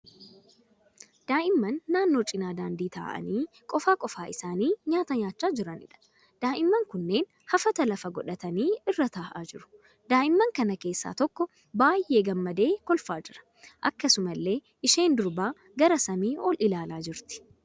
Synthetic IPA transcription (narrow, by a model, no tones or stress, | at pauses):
d̪̥aːʔɪmːɐnːaːnːo̞ːt͡ʃʼɪnaːd̪aːnd̪iːt̪a̰ːʔɐ̰niː | kʼɔfaːkʼɔfaːʔɪsaːniːɲaːt̪ɐɲaːt͡ʃːaːd͡ʒɪɾɐnɪ̰ᶑɐ̥ | d̪̥aːʔɪmːɐŋkʊnːe̞ːn | hɐfɐt̪ɐlɐfɐɡɔᶑɐt̪ɐniːɪrːɐt̪aːʔa̰ːd͡ʒɪɾʊ̥ | d̪aːʔɪmːɐŋkɐnɐke̞ːsːa̰ːt̪ɔkːɔ | baːjʔe̞ːɡɐmːɐd̪e̞ːkɔlfaːd͡ʒɪɾɐ̥ | ʔɐkːɐsʊmɐlːe̞ː | ʔɪʃe̞ːnd̪ʊɾbaː | ɡɐɾɐsɐmiːʔɔlʔɪlaːlaːd͡ʒɪɾt̪ɪ̥